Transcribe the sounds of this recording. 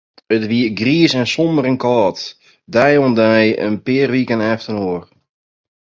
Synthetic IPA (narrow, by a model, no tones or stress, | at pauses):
ətʋiəɡriəsɛnsɔməɾənkɔːt | dɛjondɛjə̰npɪːrʋikənɛftənoːər